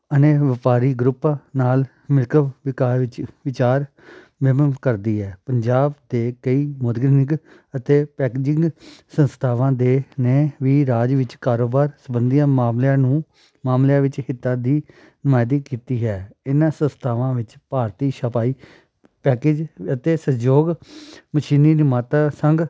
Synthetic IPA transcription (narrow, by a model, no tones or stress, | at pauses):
əneːʋɪpaːɾiːɡɾʊpãːnaːl | mɪɾkəbʋɪkaːʋɪt͡ʃʋɪt͡ʃaːɾ | ʋəmənkəɾd̪iːɦɛːpəɲd͡ʒaːbd̪eːkəiːmod̪ɡɾnɪɡ | ət̪eːpɛːkɪːd͡ʒɪ̃ŋɡsə̃nst̪ʰaːʋãːd̪eːneːʋiːɾaːd͡ʒʋɪt͡ʃkaːɾoːbaːɾsəbənd̪ijãːmaːmlãːnũː | maːmlãːʋɪt͡ʃhɪt̪ːãːd̪iː | nəmaːjd̪iːkiːt̪iːɦɛːɪnãːsə̃nst̪ʰaːʋãːʋɪt͡ʃpaːɾt̪iːʃəpaːiː | pɛːkeːd͡ʒət̪eːsəd͡ʒoːɡməʃiːniːnɪmaːt̪aːsəŋɡ